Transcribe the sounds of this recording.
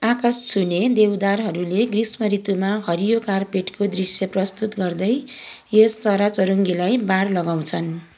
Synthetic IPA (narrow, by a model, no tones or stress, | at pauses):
akʌst͡sʰuned̪ewd̪arɦʌɾuleɡrismʌɾit̪umaɦʌɾijokarpeʈkod̪risjʌprʌst̪ut̪ɡʌrd̪ʌj | est͡sʌɾat͡sʌɾuŋɡilajbarlʌɡaw̃t͡sʰʌn